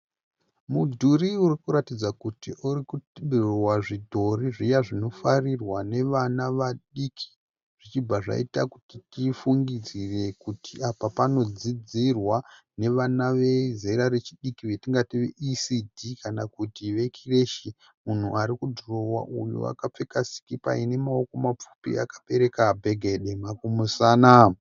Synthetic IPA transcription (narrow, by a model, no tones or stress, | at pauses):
mudʱuɾiurikuɾatid͡zakutiʔuɾikuɗurowaʐidʱo̞riʐijaʐino̞farirwane̞ʋanaʋaɗikʰi̥ | ʐ̥it͡ʃibaʐa̰itakutitifuŋɡid͡zire̞kutiapapano̞d͡zid͡zirwa | ne̞ʋanaʋe̞zeɾaɾet͡ʃiɗikiʋe̞tiŋɡatiʋḛʔisidʱikanakutiʋe̞kʰire̞ʃi | mun̤uaɾikudʱro̞wa̰ʔṵjṵa̰kap͡fe̞kasi̥kipa̰ine̞mao̞ko̞map͡fu̥pḭa̰kḁpe̞ɾe̞kabʱe̞ɡʱe̞ɗemakumusaːna